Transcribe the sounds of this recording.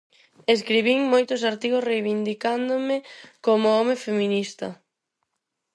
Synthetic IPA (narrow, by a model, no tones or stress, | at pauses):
eskɾiβiŋmojt̪ʊs̬aɾt̪iɣosrejβind̪ikand̪omɪkomʊɔmefeminist̪ɐ